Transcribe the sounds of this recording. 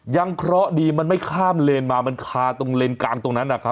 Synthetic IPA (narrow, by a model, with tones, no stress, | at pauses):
ja˧ŋkʰɾɔ˦˥ʔdiː˧ma˧nma˥˩jkʰaː˥˩mleː˧nmaː˧ma˧nkʰaː˧t̪o˧ŋleː˧nkaː˧ŋt̪o˧ŋna˦˥nːʔa˨˩kʰa˦˥